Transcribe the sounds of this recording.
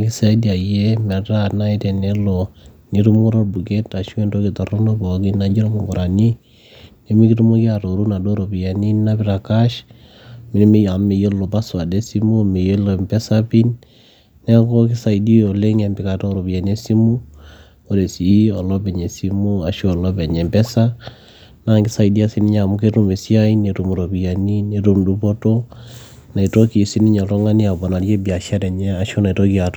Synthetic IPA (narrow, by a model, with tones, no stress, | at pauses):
ki˦sa˦i˦di˦a˨je˦mɛ˨ta˦na˦i˦te˨ne˦lɔ˨ni˦tu˦mo˦ɾo˦bu˨ke˦ta˨ʃi˦ɛ˦ndo˦ki˨tɔ˨ro˦no˦bɔ˨˦ki˦na˨d͡ʒi˦ɾa˦mo˨ŋɡɔ˨ɾa˨ni˦ | ne˦mi˦ki˦tu˦mo˦ki˦a˨ɾo˨ɾu˦na˨do˦ɾo˨bi˨ja˨ni˦na˦bi˨˦ɾa˨ka˦ʃ | mɪ˨n˦mi˦ja˨me˨jo˦lːo˨pa˦swa˨de˦si˦mu˦me˨jo˦lo˨mpɛ˦sa˦pi˦n | nɛ˦ko˦kɪ˦sa˨i˨di˦o˨le˦ŋe˨mbɪ˨ka˨to˦ɾo˨bi˨ja˨ne˦si˦mu˦ | o˨ɾe˨si˨˦ɔ˨lɔ˦bɛ˨ɲe˨si˦mu˦a˨ʃo˦˨lɔ˦be˨ɲe˨mpɛ˦sa˦ | na˦ŋkɪ˦sa˨idi˦a˨si˦ni˦ɲa˨mu˦ke˦tu˨me˨si˦a˦i˦ne˨tu˨mu˨ɾo˨bi˨ja˨ni˦ne˨tu˨mdu˦po˦to˦ | na˨i˨to˦ki˨si˦ni˦ɲa˨to˦ŋa˦ni˦a˨bɔ˨na˨ɾje˦bi˨a˨ʃa˦ɾɛ˨ɲɛ˦a˨ʃo˦na˨i˨to˦ki˨a˨t